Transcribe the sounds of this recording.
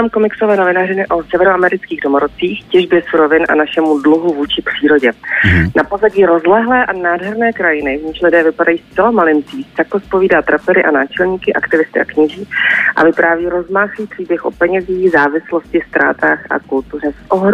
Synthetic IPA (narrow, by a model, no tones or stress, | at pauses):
aːmkomɪksovɛːnovɪnaːrɪnɪʔosɛvɛɾoʔamɛɾɪt͡skiːɣdomoɾot͡siːxcɛʒbjɛsuɾovɪnʔa̰naʃɛmudluɦuvuːt͡ʃɪpr̝̥iːɾo̞ɟɛnapozaɟiːɾo̞zlɛɦlɛːʔanaːdɦɛɾnɛːkɾajɪnɪvɲiːʃlɪdɛːvɪpadajiːst͡sɛlamalɪnt͡siːst̪akospo̞viːdaːt̪ɾapɛɾɪʔanaːt͡ʃɛlɲiːkɪʔakt̪ɪvɪst̪ɪʔa̰kɲɪʒiːʔa̰vɪpɾʔaːviːɾo̞zmaːxliːpr̝̥iːbjɛxʔo̰pɛɲɛziːxzaːvɪsloscɪst̪ɾa̰ːt̪aːxa̰kult̪urɛsʔoɦɾ